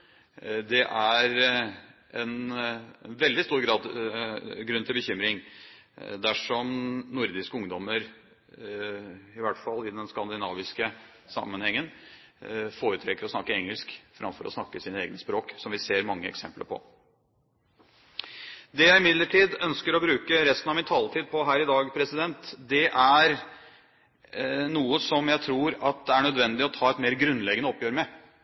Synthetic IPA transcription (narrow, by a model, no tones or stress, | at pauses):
d̪ɛʔæɾ | ɛn | nʋɛld̪ɪst̪uːɾɡɾɑːd̪ | ɡɾʉnt̪ɪbəçʏmɾɪŋ | d̪æʂɔmnʊɾd̪ɪskəʊŋd̪ɔməɾ | ɪʋæʈfɑlːɪd̪ɛnskɑnd̪ɪnɑːʋɪskə | sɑ̰mːənhɛŋːən | foːɾət̪ʰɾɛkːəɾɔsnɑkːəɛŋːəlskfɾɑ̰mfɔɾʔɔ̰snɑkːəsiːnəɛ̰ːɡnəspɾoːksɔmʋɪseːɾmɑŋːəɛksɛmplə̰ɾpʰɔ̰ | d̪ɛjæɪɪmɪd̪ləʈʰiːd̪œnskəɾɔbɾʉːkəɾɛst̪ənɑʋmɪnt̪ʰɑːlt̪ʰiːd̪̚pʰɔɦæːɾɪd̪ɑːɡpʰɾɛsɪd̪ɛnt̪d̪ɛʔæɾ | nuːəsɔmjæɪt̪ʰɾuːɾɑt̪̚d̪ɛæɳœd̪ʋɛnd̪ɪɔt̪ʰɑːɛt̪meːɾɡɾʉnlɛɡənəɔpjøːɾmɛ